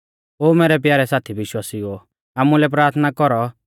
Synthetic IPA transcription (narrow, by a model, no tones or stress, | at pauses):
oːmɛːɾɛp̬jaːɾɛsaːt̪ʰiʋɪʃwaːsio | aːmulɛp̬ɾaːɾt̪ʰnakɔɾɔ